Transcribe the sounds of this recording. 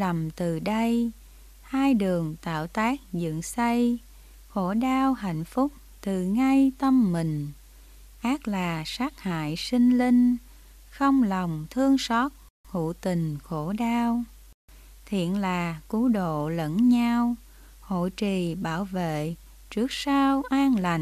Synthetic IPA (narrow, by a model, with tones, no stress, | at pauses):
lə˨˩mt̪ɨ˨˩ɗə˧j | haː˧jɗɨ˨˩əŋt̪a̰ː˧˨wt̪aː˦˥k̚zɨ̰˧˨ŋsə˧j | xo̰˧˩˥ɗaː˧wɦa̰˧˨jŋ̟fʊ˦˥k͡p̚t̪ɨ˨˩ŋa˧jt̪ə˧mːï˨˩ŋ̟ | ʔaː˦˥k̚laː˨˩saː˦˥k̚ha̰ː˧˨jsi˧ŋ̟li˧ŋ̟ | xə˧wŋ͡mlɔ˨˩wŋ͡mt̪ʰɨ˧əŋsɔ˦˥t̚ | ŋṵ˧˨t̪ï˨˩ŋ̟xo˧˩ɗaː˧w | t̪ʰḭ˧˨ənlaː˨˩ku˨˦ɗo̰˧˨lə̰˧˥nɲa˧w | ho̰˧˨jt͡ɕi˨˩ɓaː˧˩wvḛ˧˨ | t͡ɕɨ˦˥ək̚saː˧wʔaː˧ŋla˨˩ŋ